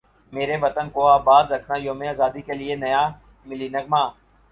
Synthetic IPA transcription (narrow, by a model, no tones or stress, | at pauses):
meːɾeʋət̪ənkoːaːbaːd̪ɾəkʰnaːijõːmẽaːzaːd̪ikelɪenɐjaː | mɪliːnəɡ̚mãː